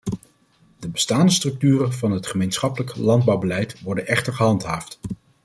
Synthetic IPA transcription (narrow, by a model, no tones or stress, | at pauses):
dəbəstaːndəstrɵk̚tyːrənvɑnɦətχəmejnsχɑpələklɑnd̚bɑwbəlɛjtʋɔɹdənʔɛχtəɹχəɦɑntɦaːft